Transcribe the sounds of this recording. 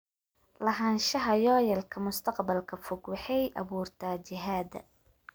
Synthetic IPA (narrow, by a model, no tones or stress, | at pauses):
lɐɦɐnʃɐɦɐjɔːjɐlkʰɐmʊst̪ʰɐqbɐlkʰɐfʊɡwɑħɑjʔɐ̰βuːrt̪ʰaːt͡ʃɪɦaːd̪ɐ̰